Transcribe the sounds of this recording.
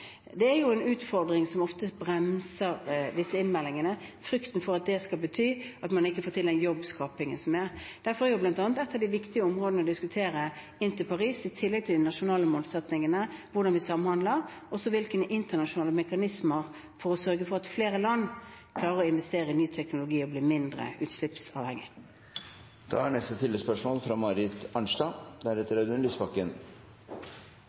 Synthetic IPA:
d̪ɛæɾjʊɛnʉːt̪fɔɾd̪ɾɪŋsɔmɔft̪əbɾɛmsəɾd̪ɪsːəɪnmɛlːɪŋənəfɾʏkt̪ən̩fɔɾɑt̪̚d̪ɛskɑlbət̪ʰyːɑt̪mɑnɪkːəfoːɾt̪ɪld̪ɛnjɔbːskɑːpɪŋə̰nsɔmɛɾd̪̥æɾfɔɾæɾjʊblɑnt̪ɑːnət̪ɛt̪ʰːəʋd̪ɪʋɪkt̪ɪəɔmʁoːd̪ənəɔd̪ɪskʉt̪ʰeːɾə | ɪnt̪ɪlpʰɑʁiːsɪt̪ʰɪlːɛɡ̚t̪ʰɪld̪ɪnɑʂʊnɑːləmoːlsɛt̪nɪŋənəʋʊɖɑnʋɪsɑmənhɑnd̪ləʁ | ɔsɔʋɪlkənəʔɪnt̪ənɑʂʊnɑːləmɛkɑnɪsməʁ | fɔɾɔsœɾɡəfɔʁɑt̪fleːɾəlɑnː | kʰlɑːɾəɾɔɪnʋɛst̪eːɾəɪnyːt̪ʰɛknʊlʊɡiːɔbliːmɪnd̪ʁə̰ʔʉ̰ːt̪slɪpsɑ̰ːʋhɛŋːɪ̰ | d̪̥ɑ̰ːæɳɛst̪ət̪ʰɪlːəspœʂmoːlfɾɑmɑɾɪt̪ɑɳʂʈ̪ɑd̪æɾɛt̪ːəɾæd̪ʉnispɑkːən

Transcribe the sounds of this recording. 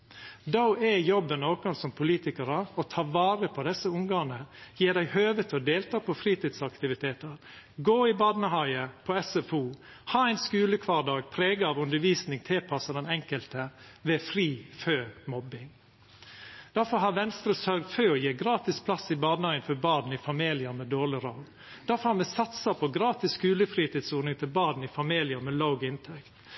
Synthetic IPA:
d̪aʊɛjɔbːənoːkʊnsɔmpʰʊliːt̪ɪkəɾəɔt̪ʰɑːʋɑːɾəpʰɔd̪ɛsːəʊŋɡɑːnəjeːɖ̪æɪhøːʋət̪ʰɔd̪eːlt̪ʰɑːpʰɔfɾiːt̪ɪd̪sɑkt̪ɪʋɪt̪ʰeːt̪əɾ | ɡoːɪbɑːd̪nəhɑɪəpʰɔɛsɛfuː | hɑːæɪnskʉːləkʰʋɑːɖ̪ɑːɡ̚pʰɾeːɡəɑʋʉnd̪əɾʋiːsnɪŋt̪ʰɪlpʰɑsəd̪ɛnɛŋkəlt̪ə | ʋɛfɾiːføːmɔbɪŋ | d̪̥æɾfɔɾɦɑɾʋɛnst̪ɾəsœɾɡ̪føːɔjeːɡɾɑːt̪ɪspʰlɑsɪbɑːd̪nhɑɪənfɔbɑːd̪n̩ɪfɑmiːlɪəɾmɛd̪oːʁɭɪɾɑʊ | d̪̥æɾfɔɾhɑɾmɛsɑt̪səpʰɔɡɾɑːt̪ɪskʉːləfɾiːt̪ɪːd̪soːɾnɪŋt̪ʰɪlbɑːd̪n̩ɪfɑmiːlɪəɾmɛlaʊɡɪnt̪ʰɛkt̪

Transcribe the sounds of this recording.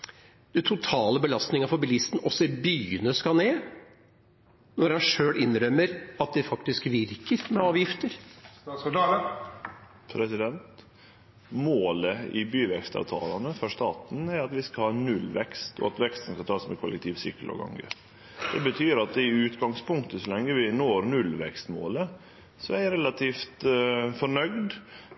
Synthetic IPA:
d̪̥ɛt̪ʰʊt̪ʰɑːləbəlɑst̪nɪŋəfɔɾbɪlist̪n̩ɔsːɔɪbyːənəskɑneː | nɔɾhɑnʂøːɭɪnːɾœmːəɾɑt̪̚d̪ɛfɑkt̪ɪskʋɪɾkəɾmɛɑːʋjɪft̪əɾ | pʰɾɛsɪd̪ɛnt̪ | moːləɪ̰byːʋɛkst̪ɑ̰ʋt̪ʰɑ̰ːlɑnəfɔʂt̪ɑːt̪n̩æɾɑt̪ʋɪskɑhɑːnʉlʋɛkst̪ʰɔ̰ɑt̪ʋɛkst̪ən̩skʰɑnt̪ʰɑːsmɛ̰kʰʊlɛ̰kt̪ʰiːʋsʏkːəlɑ̰ɡɑ̰ŋɡə̰ | d̪̥ɛbət̪ʰyːɾɑt̪̚d̪ɪʉːt̪ɡɑŋspʊŋkt̪əsɔlɛŋːəʋɪnoːɾnʉlʋɛ̰kst̪mo̰ːlə | sɔæɾɾɛlɑt̪ʰiːft̪fɔɳœɡd̪

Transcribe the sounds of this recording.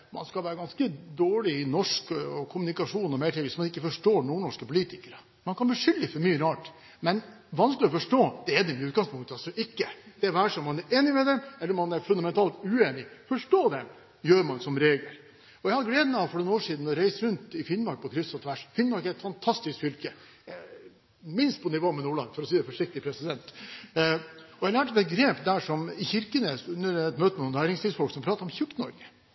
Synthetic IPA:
mɑ̰nskɑlʋæːɾəɡɑnskəd̪oːɭɪɪnɔʂkɔkʰʊmʉnɪkɑʂuːnɔmɛɪʈʰiːʋɪsmɑnɪkːəfɔʂʈoːɳuːɳɔʂkəpʊliːt̪ɪkəɾə | mɑnkʰɑnbɪʂʏlːɪfɔɾmyːəɾɑːʈ | mɛn | ʋɑnsklɪɔfɔʂʈoːd̪̥ɛæd̪ɛmɛʉːt̪ɡɑŋspʰʊŋkt̪əɑlsɔʔɪkːəd̪̥ɛæʋæːʂɔmːɑnæɾʔeːnɪmɛd̪ɛmɛlːəɾmɑnæɾfʉnd̪ɑmɛnt̪ʰɑːlt̪ʉeːnɪfɔʂʈoːd̪ɛ | jøːɾmɑnsɔmɾeːɡlə̰ɾ | ɔjɛɪhɑd̪ɡleːd̪mɛɑʋfɔɳɛnoːʂiːd̪n̩ɔɾæɪsəɾʉnt̪ɪfɪnːmɑɾk̚pʰɔkʰɾɪst̪ɑt̪ʰʋæʂfɪnmɑɾkæɾɛt̪fɑnt̪ʰɑst̪ɪskfʏlkə | mɪnst̪pɔnɪʋoːmɛnuːɭɑ̰nfɔɾɔsiːd̪ɛfɔʂɪk̚t̪ɪpʰɾɛsɪd̪ɛnt̪ | ɔælæːʈbɛɡɾeːpd̪æʂɔmɪçɪɾkənəʉnːəɾɛt̪møːt̪əmɛnuːnnæːɾɪŋst̪ʰiːsfɔlksɔmpʰɾɑːt̪əɾɔmçʉkt̪nɔɾɡə

